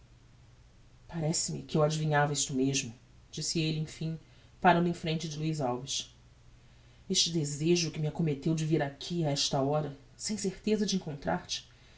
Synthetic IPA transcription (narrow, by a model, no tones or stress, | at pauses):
paɾɛsɪmɪ̰kɪewad͡ʒivĩɲavɐiʃt̪ʊmeʒmʊ | d͡ʒisɪelɪẽj̃fĩ | paɾɐ̃nd̪ʊẽfɾẽnt͡ʃɪd͡ʒɪluizawvɪʃ | eʃt͡ʃɪd̪ezeʒʊkɪmɪakomet̪ewd͡ʒɪviɾakʲʰiaɛʃt̪ɐɔɾɐ | sẽj̃seɾt̪ezɐd͡ʒɪẽŋkõnt̪ɾʔa̰ɾt͡ʃɪ̥